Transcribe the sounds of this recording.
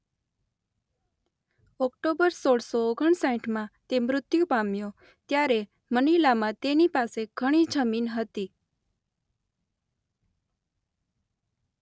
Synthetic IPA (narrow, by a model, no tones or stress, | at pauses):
ɔkʈobəɾsoɽsoːɡʱəɳsãĩʈʰmãt̪emɾʊt̪jũpamjo | t̪jaɾe | mənilamãt̪enipaseɡ̥ʱəɽ̃id͡ʒəminɦət̪i